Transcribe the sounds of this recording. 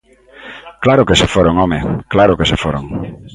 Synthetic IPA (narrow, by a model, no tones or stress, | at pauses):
klaɾʊkesefoɾoŋɔmeklaɾokesefoɾoŋ